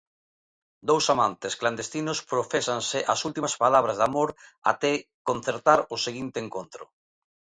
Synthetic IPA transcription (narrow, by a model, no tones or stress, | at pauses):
d̪owsamant̪eskland̪est̪inʊspɾofesansɪʔasult̪imaspalaβɾazðamoɾa̰t̪ɛkon̟θeɾt̪aɾʊseɣint̪eːŋkont̪ɾʊ